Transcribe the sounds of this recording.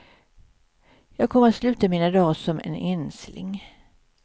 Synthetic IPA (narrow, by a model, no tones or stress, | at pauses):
jɑːɡ̚kʰɔmːat̪slʉ̟ːt̪amiːnad̪ɑːsɔmʔɛ̰nɛnslɪ̰ŋ